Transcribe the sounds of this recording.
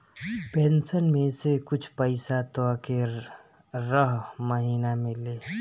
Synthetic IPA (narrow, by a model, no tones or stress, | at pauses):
pɛ̃nsənmẽsekʊt͡ʃʰpəɪsat̪ke | ɾəɦməɦiːnamɪleː